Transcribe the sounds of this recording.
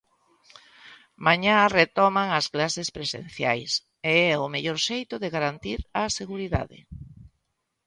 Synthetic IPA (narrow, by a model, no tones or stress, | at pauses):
mãɲaret̪ɔmaŋɐsklasespɾesḛn̟θja̰js | eɛʊmeʎɔɾʃejt̪ʊðeɣaɾant̪iɾɐseɣuɾiða̰ðɪ̰